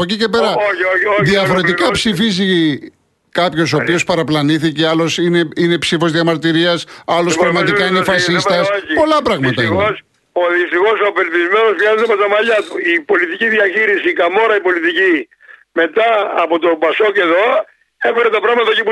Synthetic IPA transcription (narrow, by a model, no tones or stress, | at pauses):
pocice̞peɾɐoooðiɐfo̞ɾe̞t̪ikɐpsifizi | kɐpço̞sopio̞spɐɾɐplɐniθiceɐlo̞sine̞ine̞psifo̞zðiɐmɐɾt̪iɾiɐsɐlo̞spɾɐɣmɐt̪ikɐinefɐsist̪ɐsoipo̞lɐpɾɐɣmɐst̪ɐios | oðist̪ixo̞sopelpizme̞no̞zmjɐzet̪epot̪ɐmɐʎɐt̪uipo̞lit̪iciðiɐçiɾisiːkɐmo̞ɾɐipo̞lit̪ici | me̞t̪ɐːpot̪opɐsoceðo̞ | efeɾet̪ɐpɾɐɣmɐt̪ɐocipu